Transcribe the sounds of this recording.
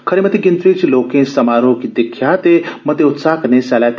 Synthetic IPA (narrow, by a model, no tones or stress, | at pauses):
kʰəɾeməd̪iɡint̪ɾet͡ɕilokẽsəmaɾokid̪ikʰːjat̪eməd̪ʱːeut̪sakənesalap